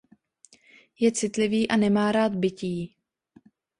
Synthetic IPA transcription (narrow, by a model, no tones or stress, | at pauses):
jɛt͡sɪt̪lɪviːʔanɛmaːɾaːt̪̚bɪciː